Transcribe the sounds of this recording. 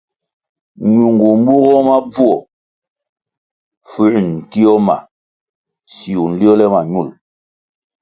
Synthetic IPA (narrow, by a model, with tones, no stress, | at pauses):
ɲu˨ŋɡu˨m̩˦bu˦ɣɔ˦ma˦b͡vu˦ɔ˨ | fʉ˦ʔn̩˨ti˦ɔ˦ma̰˨ | si˨u˨n̩˦li˦ɔ˦lɛ˦ma˨ɲu˦˨l